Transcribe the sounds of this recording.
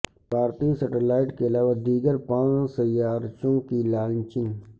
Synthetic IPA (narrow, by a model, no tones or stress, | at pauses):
bʱaːɾt̪iːsəʈelaːɪʈkeɐlaːʋad̪iːɡəɾpãːsəjaːɾt͡ʃõkilaːlnt͡ʃɪn